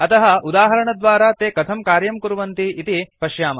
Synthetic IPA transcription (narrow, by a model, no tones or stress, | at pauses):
ɐt̪ɐɦɐud̪aːɦɐɾɐɳɐd̪ʋaːɾaːt̪eːkɐt̪ʰɐmkaːɾjɐmkuɾuʋɐnt̪iit̪ipɐʃjaːmɐ